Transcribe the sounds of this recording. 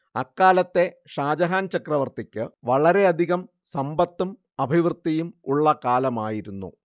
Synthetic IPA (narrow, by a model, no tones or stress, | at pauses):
ɐkːaːlɐt̪ːe̞ | ʂaːd͡ʑɐɦaːnt͡ɕɐkrɐʋɐrt̪ikʲːɨʋɐɭɐɾe̞ɐd̪ʱiɣɐm | sɐmbɐt̪ːum | ɐbʱiʋrt̪ːɐjumuɭːɐkaːlɐmaːjiɾunːṵ